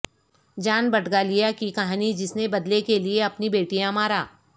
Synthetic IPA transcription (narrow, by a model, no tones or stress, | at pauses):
d͡ʒaːnbɐʈɡalijakikɐɦaːnid͡ʒɪsnebɐd̪lekelieɐpnibeːʈijãmaːɾaː